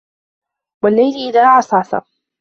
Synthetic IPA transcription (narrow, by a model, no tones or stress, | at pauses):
walːajlʔɪðaːʕɑsˤɑːθɑ̰